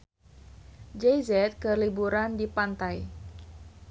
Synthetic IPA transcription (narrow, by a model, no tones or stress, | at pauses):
d͡ʒejzɛt̪̚kəlibuɾandipant̪aj